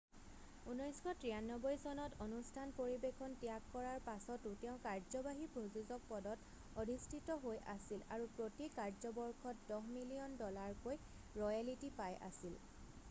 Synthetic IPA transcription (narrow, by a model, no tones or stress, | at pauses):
unɔjskʰɔtɹijanːɔbɔjsɔnɔtonustʰanpoɹibekʰɔntijakːɔɹaɹpasɔtutɛʊ̃kaɹzɔbaɦibʱɹozuzɔk̚pɔdɔt | odʱistʰitɔɦojʔa̰silaɹupɹotikaɹzɔbɔɹkʰɔt̚dɔɦmilijɔndɔlaɹkoj | ɹɔjalitipajʔa̰sil